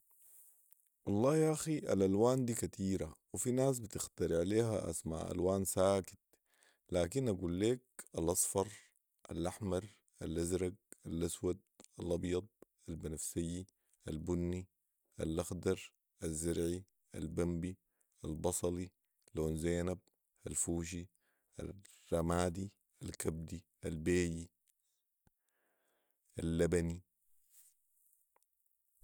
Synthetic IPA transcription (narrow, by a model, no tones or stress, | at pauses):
wɑlˤːɑːhjʔaxiʔa̰lʔalwaːnd̪iːkat̪iːɾawifinaːs̬bɪt̪ɪxt̪ɑɾiʕaleːha̰ʔa̰sma̰ʕʔa̰lwaːnsaːki̥t̪̚ | laːkinʔaɡuːlːeːk̚alʔɑsˤfɑɾˤ | ʔa̰lʔaħmɑɾˤ | ʔalʔazɾaɡ̚ʔalʔaswad̪̚ʔalʔɑbjɑd̪̚ˤʔalbɪnafsijːi | ʔalbunːi | ʔalʔaxd̪ɑɾˤ | ʔazːaɾʕi | ʔa̰lbambi | ʔalbɑsˤɑli | loːnzeːnab̚ | ʔalfuːʃ̬i | ʔa̰ | ramaːd̪i | ʔalkab̚d̪i | ʔalbeːji | ʔalːabani